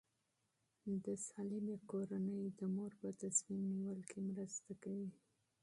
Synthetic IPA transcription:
d̪əsɑlimekoɾanəjd̪əmoɾpət̪asmimniwəlkʰemɾəst̪akawi

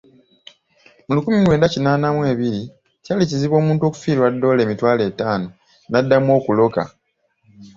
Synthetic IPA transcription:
mulukumilwe̞ːndacinaːnamwe̞ːβiɾi | caliciziβo̞ːmuːntuoku̥fiːɾwadːo̞ːle̞ːmitwaːle̞ːtaːno̞ | nadːamwo̞ːkulo̞ka̰

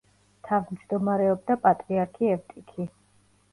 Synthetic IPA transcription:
t̪ʰavimd͡ʒd̪ɔmaɾɛɔb̚d̪apʼat̪ʼɾiaɾkʰiɛvt̪ʼikʰi

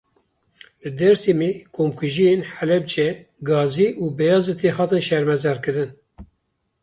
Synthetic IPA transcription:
lɨd̪ɛɾsimeːkʰomkʰuʒijenħælɛb̚d͡ʒɛɡɑːziːʔuːbɛjɑːzɨt̪ʰeɦɑːt̪ɨnʃɛɾmɛzɛɾkɨɾɨn

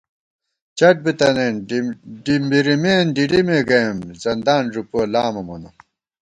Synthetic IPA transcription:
t͡ɕɐʈ̚bit̪ɐneːnɖimbiɾimeːnɖiɖimeɡɐmzɐnd̪aːnʐupoːlaːmɐmonɐ

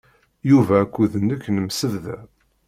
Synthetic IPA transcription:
juvækʷːuðənːəkːnəmsəððæ̰

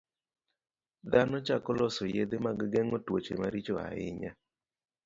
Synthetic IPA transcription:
d̪anɔt͡ʃakɔlɔsɔjed̪emaɡɡɛŋɔtwot͡ʃemaɾit͡ʃoa̰ɪ̰ɲa

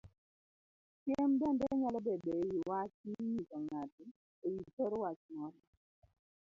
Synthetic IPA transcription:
kjembɛndɛɲalɔbɛdejiwat͡ʃiɲikɔŋatɪ | ojitɔɾɔwat͡ʃmɔnɔ

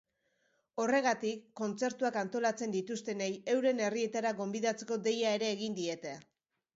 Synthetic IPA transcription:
o̞re̞ɣ̞at̪ikːo̞nt͡se̞ɾt̪uakant̪o̞lat͡se̞nd̪it̪ust̪e̞neje̞wɾe̞ne̞rie̞t̪aɾaɡo̞mbiðat͡se̞ko̞d̪e̞jae̞ɾe̞ːɣind̪ie̞t̪e̞

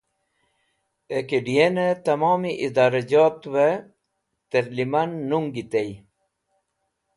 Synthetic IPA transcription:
ekeɖijenet̪ɐmoːmiʔid̪aːɾad͡ʑaːt̪we | t̪eɾlimanːuŋɡit̪ej

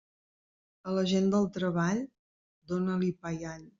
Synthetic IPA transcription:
ələʒend̪əlˠt̪ɾəβaʎ | d̪onəlipajaʎ

